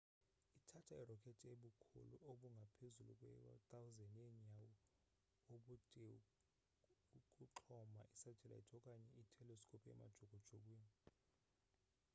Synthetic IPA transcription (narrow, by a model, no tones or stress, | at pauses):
itʰatʰairɔkʼʰɛtʼʰeɓukʰṵluʔoɓuŋɡʱapʰezulṵk̬ʼwɛa̰tʼawzɛneɲawɔ | oɓutʼi | ukʼuǁʰɔmaʔisḁʒ̥ʰʱɛla̰itʰɔkʼaɲɛitʰɛlɔsi̥kʰʼopʼiɛ̰ma̰d̥ʒ̥ʱoɡ̥ʱɔd̥ʒ̥ʱok̬ʼwiːni